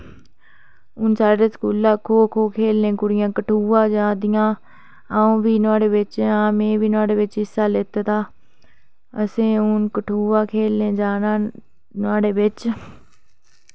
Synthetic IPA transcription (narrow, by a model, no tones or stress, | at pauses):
ʊnsaːɖeːsə̥kuːlaːkʰoːəkʰoːkʰeːlnẽːkʊɽɪjãːkəʈʰuːʋãːd͡ʒãːd̪ɪjãː | aːõːʋiːnʊaːɽeːʋɪt͡ʃãːmẽːʋiːnʊaːɽeːʋɪt͡ʃɪsːaːlɪt̪ːt̪aː | əsẽːʊnkəʈʰuːʋãːkʰeːlnẽːd͡ʒaːnaː | nʊãːɽeːʋɪt͡ʃ